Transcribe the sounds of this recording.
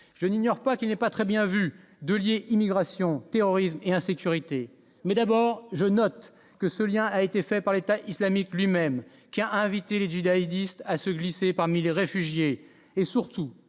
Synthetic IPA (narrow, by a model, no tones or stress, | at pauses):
ʒ̥əniɲjɔʁpakʲilnɛpat̪χɛbjɛ̃vy | d̪əljeʔimiɡʁasjɔ̃t̪eʁɔʁismeɛ̃sekʲyʁit̪e | mɛd̪abɔːʁʒənɔt̪ | kəsəljɛ̃aet̪efɛpaʁlet̪aʔislamiklɥimɛm | kʲiaʔɛ̃vit̪eleʒid̪aid̪ist̪asəɡlisepaʁmileʁefyʒje | esyʁt̪u